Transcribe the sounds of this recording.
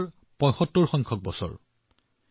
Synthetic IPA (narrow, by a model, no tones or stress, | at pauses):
ɹ | pɔ̃jxɔtːɔɹxɔŋkʰɔk̚bɔsɔ̰ɹ